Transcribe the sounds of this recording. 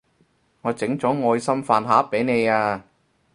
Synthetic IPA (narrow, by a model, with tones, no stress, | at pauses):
ŋɔː˨˧t͡sɪ˨˥ŋt͡sɔː˨˥ŋɔː˧jsɐ˥mfaː˧nɦaː˨˦˥p̚pe˨˥jne˨˧jaː˧